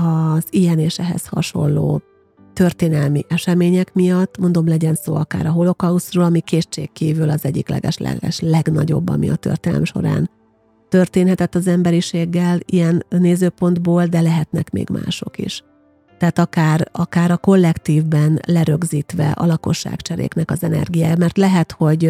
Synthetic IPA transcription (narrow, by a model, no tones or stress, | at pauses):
ɒzijɛneːʃɛɦɛ̰shɒ̰ʃo̞̰nlo̰ː | t̪ø̞rt̪eːnɛlmiʔɛʃɛmeːɲɛkmijɒt̪ːmo̞nd̪o̞mlɛɟɛnso̰ːɒka̰ːɾɒɦo̞lo̞kɒusroːlɒmikeːt͡ʃḛːkkːiːvylɒzɛɟːiklɛ̰ɡɛ̰ʃlɛ̰ɡɛ̰ʃlɛɡnɒ̰ɟo̞̰bːɒ̰mḭɒ̰t̪ø̰rt̪eːnɛ̰lɛ̰mʃo̞̰ɾa̰ːn | t̪ø̞rt̪eːnɦɛt̪ɛt̪ːɒzɛmbɛɾiʃeːɡːɛlijɛnneːzøːpo̞nd̪boːld̪ɛlɛɦɛt̪nɛ̰kmḛːɡmʔa̰ːʃo̞kḭʃ | t̪ɛːt̪ɒkaːrɒkaːɾɒko̞lːɛkt̪iːvbɛnlɛɾø̞ɡziːt̪ʋɛ̰ʔɒ̰lɒko̞ʃːa̰ːkt͡ʃɛɾḛːknɛkɒzɛnɛ̰rɡijaːjmɛrt̪lɛɦɛt̪ho̞ɟ